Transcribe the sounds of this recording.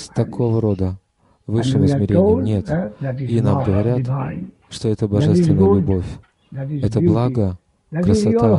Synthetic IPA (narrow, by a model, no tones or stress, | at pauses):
sʲt̪ɐkʰo̞vəɾo̞d̪ə | vɨʂɨvəzmʲɪɾʲenɪjənʲe̞t̪inamɡəvɐɾʲa | ʂt̪o̞ɛt̪əbɐʐɛst̪vʲɪnəjəlʲʊbo̞fʲ | ɛt̪əblˠaɡə | kɾəsɐt̪a